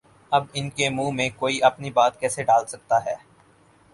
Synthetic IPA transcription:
ɐbɪnkemũːmẽkoːiʔɐpnibaːt̪kɛːseɖaːlsɐk̚t̪aɦɛː

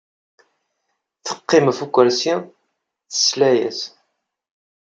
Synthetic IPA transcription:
θə̥qːimfukʷːəɾsi | θə̥slæjæ̰s

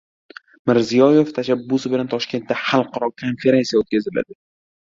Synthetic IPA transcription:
mɪɾzijɒje̞ft̪ʰaʃabːʊsɪbɪlant̪ʰɒʃkʲe̞nt̪ːaχalˠqɑɾɒkʰːonfe̞ɾe̞nsijaot̪̚kʲazɪla̰d̪ɪ

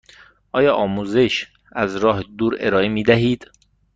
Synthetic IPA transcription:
ʔɒːjɒːʔɒːmuːze̞ʃ | æzɾɒːɦed̪uːɾe̞̰ɾɒːemiːd̪æɦiːd̪̥

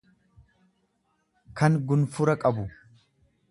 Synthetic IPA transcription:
kɐŋɡʊnfʊɾɐkʼɐbʊ

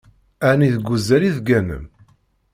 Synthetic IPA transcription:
æniðəɡʷːuzæɾiðɡænə̰m

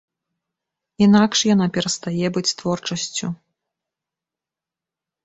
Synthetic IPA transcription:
inakʂjanapʲɛɾɐst̪ajɛbɨt͡sʲst̪vɔrt͡ʂɐsʲt͡sʲu

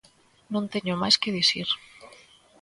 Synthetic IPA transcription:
nõnt̪eɲomajskeðisiɾ

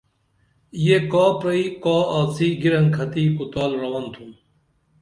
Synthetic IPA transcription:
jekaːpɾɐikaːasiɡiɾɐnkʰɐt̪iːkut̪aːlɾɐwɐnt̪ʰum

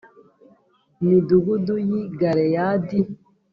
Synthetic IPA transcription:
niduɡudujiɡaɾejadi

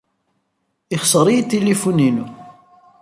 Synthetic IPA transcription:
ɪχsəɾˤiit̪ːilifuninu

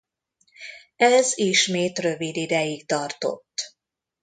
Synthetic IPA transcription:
ɛziʃmeːt̪rø̞vid̪id̪ɛjik̚t̪ɒrt̪o̞̰t̪ː

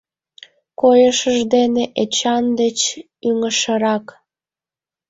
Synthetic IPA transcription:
kojəʃəʒd̪eneʔet͡ɕɑnd̪et͡ɕ | yŋəʃəɾɑk

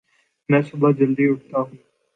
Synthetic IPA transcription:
mɛ̃ːsʊbaːd͡ʒəlɖ̪iːʊʈ̚t̪aːɦʊ̃ː

